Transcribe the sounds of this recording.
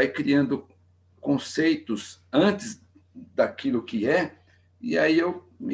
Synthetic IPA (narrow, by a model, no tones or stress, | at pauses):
ajkɾiɐ̃nd̪ʊ | kõsejt̪ʊzɐ̃nt̪ɪz | d̪akilʊkɪɛ | ḭaiew | mɪ